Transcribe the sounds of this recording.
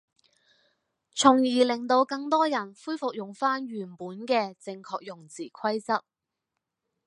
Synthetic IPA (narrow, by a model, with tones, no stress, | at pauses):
t͡sʰʊ˨˩ŋjiː˨˩lɪ˨˩ŋt̪o˧wkɐ˧ŋt̪ɔː˥jɐ˨˩nfuː˥jfʊ˨k̚jʊ˨˩ŋfaː˥nɥyː˨˩npuː˨˥nkɛː˧t͡sɪ˧ŋkʰɔː˧k̚jʊ˨˩ŋt͡siː˨˩kʰɐ˥jt͡sɐ˥k̚